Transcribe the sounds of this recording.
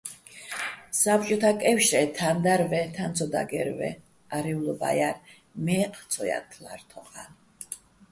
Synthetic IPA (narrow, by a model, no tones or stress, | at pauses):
sap̚t͡ʃʼɔt̪ʰakʼɛfʃɛt̪ʰand̪aɾvɛt̪ʰant̪sʰɔd̪a̰ɡɛ̰ɾvɛ̰ | aɾɛulɔba̰jaɾ | mɛqʰʼt̪sʰɔja̰t̪ʰlaɾt̪ʰɔχa̰n